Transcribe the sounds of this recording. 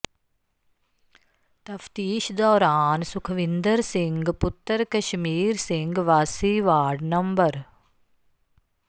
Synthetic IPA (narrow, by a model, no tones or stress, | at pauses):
t̪ɐfʰt̪iːʃd̪ɔːɾaːnsʊkʰʋɪ̃nd̪əɾsɪ̃ŋɡpʊt̪ːəɾkɐʃmiːɾsɪ̃ŋɡʋaːsiːʋaːɾɖnɐmbəɾ